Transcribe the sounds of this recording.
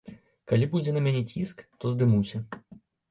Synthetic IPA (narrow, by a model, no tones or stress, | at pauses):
kalʲibud͡zʲɛnɐmʲanʲɛt͡sʲiskt̪ɔzd̪ɨmuwsʲɐ